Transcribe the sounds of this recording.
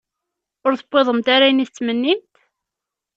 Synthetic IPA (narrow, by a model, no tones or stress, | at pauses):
ʊɾθəbːeðˤəmt̪aɾajniθt͡sːmənːimt̪